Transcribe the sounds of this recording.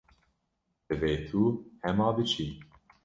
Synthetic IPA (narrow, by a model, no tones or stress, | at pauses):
dɨveːt̪ʰuːhɛmɑːbɨt͡ʃʰiː